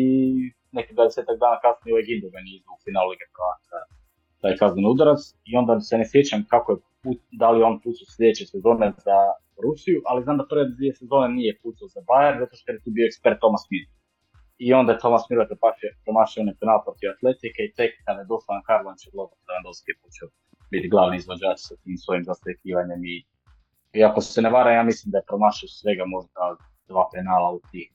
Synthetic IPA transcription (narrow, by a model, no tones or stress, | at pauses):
i | nekid̪vad̪eseːt̪aɡ̚d̪aːnakasnijeujeɡind̪oɡanizoufinallikepɾoaza | t̪aːjkazniniud̪aɾat̪s | io̞nd̪asenesjet͡ɕamkakoje | pud̪alijeo̞nput̪soslʎʲed̪et͡ʃesezo̞ːneza | ɾusijuʔaliznaːmd̪aprʋed̪vie̞sezo̞ːnenijeput̪sazabajeɾzat̪oʃt̪ojet̪uːbioekspeɾt̪̚ːo̞masmiɾ | io̞nd̪ajet̪o̞masmilakopaʃepɾomaʃionefinaːlapɾot̪iʋat̪le̞t̪ikeit̪ekd̪amed̪o̞sajankaɾlˠont͡ʃeblˠozat̪aand̪oskiepot͡ʃeo | bit̪iɡlˠaːʋniizʋod͡ʑaːt͡ʃsasiːmsʋo̞imzasekiːʋaɲemi | iakosseneʋaːɾajaːmislimd̪ajepɾomaːʃiosʋe̞ɡamo̞ʒd̪a | d̪ʋaːfinaːlˠaut̪i